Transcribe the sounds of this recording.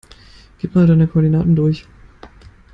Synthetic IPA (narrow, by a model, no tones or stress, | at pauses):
ɡ̥iːp̚tmaːldaɪnəkʰɔːɐdinaːtn̩dʊɐç